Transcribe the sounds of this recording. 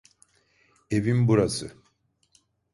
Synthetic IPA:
evinbuɾasɯ

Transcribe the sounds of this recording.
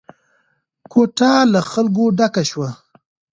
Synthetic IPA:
koʈalaxalɡoɖakaʃwa

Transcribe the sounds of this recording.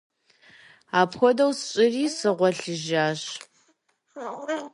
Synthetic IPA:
aːpxʷɔdɐwsɕʼɪriːsɨʁʷɔɬɨʒaːɕ

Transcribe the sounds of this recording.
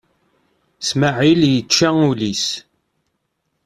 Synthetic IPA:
smaʕiljət͡ʃːaulis

